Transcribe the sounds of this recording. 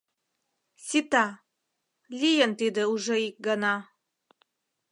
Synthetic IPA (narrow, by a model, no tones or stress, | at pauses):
sʲit̪ɑ | lʲijənt̪id̪ə̆uʒeik̚ɡənɑ